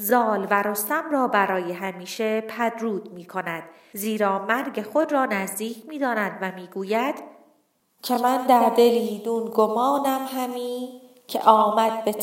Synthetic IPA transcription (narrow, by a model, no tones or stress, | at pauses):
zɒːlvæɾost̪æmɾɒːbæɾɒːjeɦæmiːʃepʰæd̪ɾuːd̪̥miːkʰo̞næd̪̥ | ziːɾɒːmæɾɟe̞xo̞d̪ɾɒːnæzd̪iːcʰmiːd̪ɒːnæd̪væmiːɡuːjæd̪̥ | cʰe̞mænd̪æɾd̪e̞liːd̪uːnɡomɒːnæmɦæmiː | cʰḛʔɒːmæd̪̚be